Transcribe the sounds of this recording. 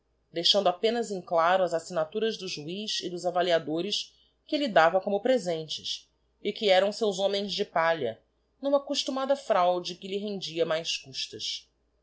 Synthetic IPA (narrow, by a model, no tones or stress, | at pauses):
d̪ejʃɐ̃nd̪ʊapẽnɐzẽklaɾʊɐzasinat̪uɾɐzd̪ʊʒuiʃɪd̪ʊzavaliad̪oɾɪs | kɪlid̪avɐkõmʊpɾezẽnt͡ʃɪs | ɪkɪɛɾɐ̃w̃sewzõmẽj̃zd͡ʒɪpaʎɐ̰ | nũmɐkoʃt̪umad̪ɐfɾawd͡ʒɪkɪlɪɦẽnd͡ʒiɐmajskuʃt̪ɐs